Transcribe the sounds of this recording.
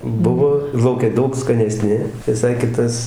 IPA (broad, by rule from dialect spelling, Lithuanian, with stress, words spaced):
ˈbʊʋoː ɪr lˠɐʊˈkʲɛ ˈdɐʊk skɐnʲɛˈsʲnʲɪ ʋʲɪˈsɐɪ ˈkʲɪtɐs